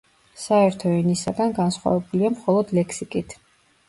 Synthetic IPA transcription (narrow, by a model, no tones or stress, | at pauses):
saɛɾt̪ʰɔɛnisaɡanɡansχwa̰vɛbuliamχɔlˠɔd̪lɛkʰsikʼit̪ʰ